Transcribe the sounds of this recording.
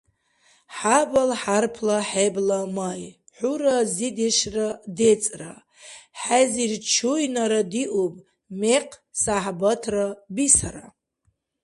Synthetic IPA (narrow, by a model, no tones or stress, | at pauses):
ħabalħarpʰlaħeblamaj | ħuɾazideʃradet͡sʼra̰ | ħazirt͡ʃʰujnaɾadiʔupʼ | meqʰʼsaħbatʰrabisaɾa